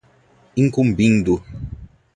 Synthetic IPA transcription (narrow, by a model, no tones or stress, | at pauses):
iŋ̩kumbiŋdu